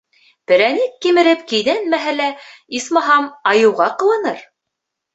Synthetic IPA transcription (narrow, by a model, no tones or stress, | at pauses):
pɘ̆ɾænikːimɘ̆ɾɘpkĭjðænmæɦælæismɑɦɑmɑjɤ̆wʁɑqɤ̆lˠɤ̆nɤɾ